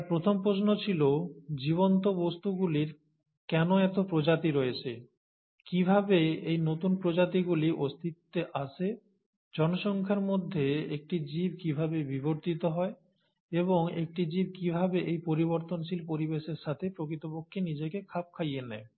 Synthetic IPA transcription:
pɾot̪ʰompɾosnot͡ɕʰilod͡ʑiβont̪obost̪uɡuliɾ | kɛnoɛt̪opɾod͡ʑat̪iɾɔet͡ɕʰḛ | kibʱabeejnot̪unpɾod͡ʑat̪iɡuliʔost̪ʰit̪ːeʔat͡ɕʰe | d͡ʑɔnoʃɔŋkʰaɾmod̪ʱːeek̚ʈid͡ʑib̚kibʱabebiboɾt̪it̪oɦɔe | eβoŋek̚ʈid͡ʑib̚kibʱabeʔejpoɾiβoɾt̪onʃilpoɾibeʃeɾʃat̪ʰepɾokɾit̪opokʰːenid͡ʑekekʰap̚kʰajenɛ̰e

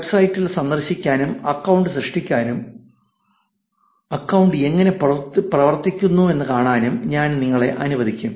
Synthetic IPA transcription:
ʋebsɐjtːilsɐnd̪ɐrɕikʲːaːnumɐkːɐwuɳɖɨɕrɨʂʈikʲːaːnum | ɐkːɐwuɳɖɨe̞ŋːɐne̞pɐprɐʋɐrt̪ikʲːunːue̞nːɨkaːɳaːnumɲaːnniŋːɐɭe̞̰ʔɐnuʋɐd̪ʱikʲːum

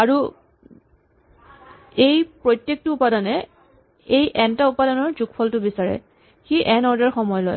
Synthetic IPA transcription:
aɹu | ejpɹɔjtjek̚tʊːpadɔnɛ | ejʔɛntaupadɔnɔɹzukpʰɔltʊbisaɹɛ̰ | xiʔɛnɔɹdaɹxɔmɔjlɔ̰j

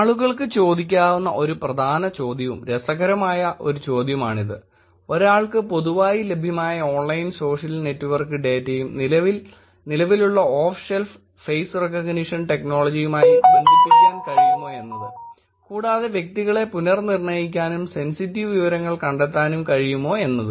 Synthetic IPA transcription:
aːɭuɣɐɭkɨt͡ɕo̞ːd̪ik̬ʲːaːʋunːɐ̰ʔo̞ɾuprɐd̪ʱaːnɐt͡ɕo̞ːd̪ʱjɐʋṵmɾesɐɣɐɾɐmaːjɐʔo̞ɾut͡ɕo̞ːd̪ʱjɐmaːɳiðɨ | o̞ɾaːɭkɨpo̞ðuʋaːjile̞bʱjɐmaːjɐo̞ːnlɐjnso̞ːʂɐlne̞tːuʋɐrkɨɖe̞ːtːɐjumni | nilɐʋiluɭːɐoːfself | fejsrekɐɡniʂɐnʈe̞kno̞ːɭɐd͡ʑijumaːjionikːiikʲːaːnkɐɻijumo̞ːe̞nːɐðɨ | kuːɽaːðe̞ʋje̞k̚t̪iɣɐɭe̞punɐrnirnɐjikʲːaːnumse̞nsitːiʋɨʋiʋɐɾɐŋːɐɭkɐɳɖet̪ːaːnumkɐɻijumo̞ːe̞nːɐðɨ

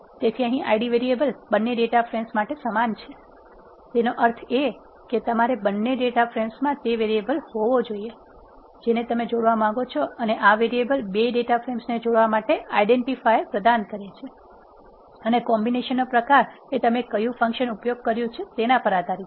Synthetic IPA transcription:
t̪et̪ʰiəɦĩʔa̰iɖiʋeɾiebəlbənːeɖeʈafɾemsmaʈesəmant͡ʃʰe | t̪enoʔəɾt̪ʰe | ket̪əmaɾebənːeɖeʈafɾemsmãt̪eʋeɾiebəlhoʋod͡ʒoie | d͡ʒenet̪əmed͡ʒoɽʋamãŋɡot͡ʃʰɔəneʔaʋeɾiebəlbeɖeʈafʰɾemsned͡ʒoɽʋamaʈeaiɖeɳʈifajpɾəd̪ankəɾet͡ʃʰe | ənekɔmbineʃənːopɾəkaɾ | et̪əmekəjũfə̃ŋkʃənupjoɡ̚kəɾjũt͡ʃʰet̪enãpəɾat̪aɾjĩ

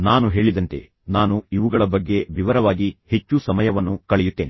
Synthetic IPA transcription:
naːnuɦe̞ːɭid̪ɐnt̪ḛ | naːnuiʋuɡɐɭɐbɐɡːe̞ʋiʋɐɾɐʋaːɡihe̞t͡ʃːusɐmɐjɐʋɐnːukɐɭɛjut̪ːeːni

